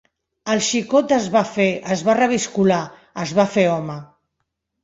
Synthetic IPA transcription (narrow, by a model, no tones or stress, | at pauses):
əlˠʃikot̪əzβafeəzβarəβ̞iskula | əzβafeɔmə